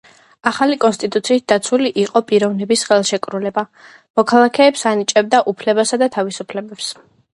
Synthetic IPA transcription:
aχalikʼɔnst̪ʼit̪ʼut̪sʰiːt̪̚d̪at̪sʰuliʔiqʼɔpʼiɾɔvnɛbisχɛlˠʃɛkʼɾulɛba | mɔkʰalˠakʰɛːpsanit͡ʃʼɛb̚d̪aʔupʰlɛbasad̪at̪ʰavisupʰlɛbɛps

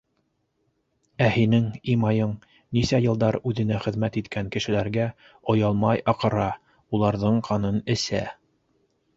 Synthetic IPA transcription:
æhinɘŋimɑjɤɴ | nisæjɤ̆lˠd̪ɑɾʉðɘ̆næχɘ̆ðmæt̪it̪kʰæŋkɘ̆ʃɘ̆læɾɡæ | ŏjɑlˠmɑjɑqɤ̆ɾɑ | ulˠɑɾðɤɴqʰɑnɤnɘ̆sæ̰

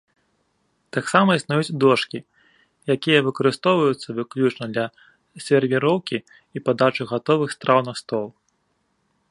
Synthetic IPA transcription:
t̪aksamɐisnujut͡sʲd̪ɔʂkʲi | jakʲijɐvɨkɐɾɨst̪ɔwvɐjut̪sːɐvɨklʲut͡ʂnɐd̪lʲɐ | sʲɛrvʲiɾɔwkʲi | ipad̪at͡ʂuɣat̪ɔvɨxst̪ɾawnɐst̪ɔlˠ

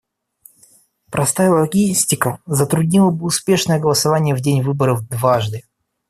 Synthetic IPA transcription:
pɾʔɐst̪ajʲəlˠɐɡʲisʲtʲɪkəzət̪ɾʊdʲnʲilˠəbɨʊspʲe̞ʂnəjəɡəlˠəsɐvanʲɪjəvdʲenʲvɨbəɾəvd̪vaʐd̪ɨ

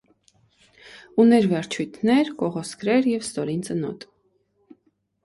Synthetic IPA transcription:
unɛɾvɛɾt͡ʃʰujt̪ʰnɛɾkɔʁɔskɾɛɾjɛvst̪ɔɾint͡sənɔ̰t̪

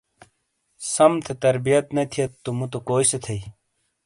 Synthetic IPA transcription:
sɐmt̪ʰet̪ɐɾbijɐt̪nɐt̪ʰijɐt̪ːumut̪okoːiset̪ʰɐi

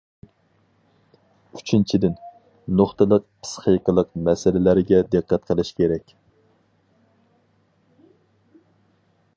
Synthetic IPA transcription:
y̥t͡ʃʰint͡ʃʰid̪ɪn | noχt̪ɨlˠəq̚pʰsχijqəlˠəqmɛsɪlɪlæɾɪɡʲɛd̪ɨqːæt̪qʰəlˠɨʃkʲeɾɛkʲ

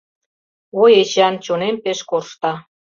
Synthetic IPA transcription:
ojet͡ɕɑnt͡ɕonempeʃkorʃt̪ɑ

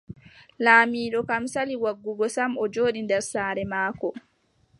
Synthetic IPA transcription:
laːmiːɗɔkamsaliwaɡːuɡɔsamɔd͡ʒoːɗindɛɾsaːɾɛmaːkɔ

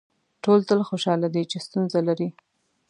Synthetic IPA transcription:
ʈolt̪əlxoʃɑlad̪it͡ʃest̪unzalaɾi

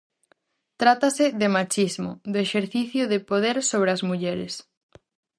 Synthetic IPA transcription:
t̪ɾat̪asɪðɪmat͡ʃizmʊ̰ðʊeʃeɾθiθjʊðɪpoðeɾsoβɾeɐzmuʎɛɾɪ̰s

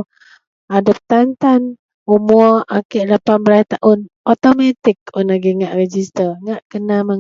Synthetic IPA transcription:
adap̚t̪ant̪an | umuɔʔakɛʔlapanbəɾajt̪aʔʊnɔt̪omat̪ɪkʊnaɡiŋaʔred͡ʒist̪əŋaʔkənamə

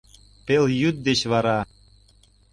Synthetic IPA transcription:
peljyt̪̚d̪et͡ɕβɑɾɑ

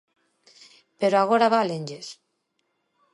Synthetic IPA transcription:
peɾoaɣoɾaβaleɲʲd͡ʒes

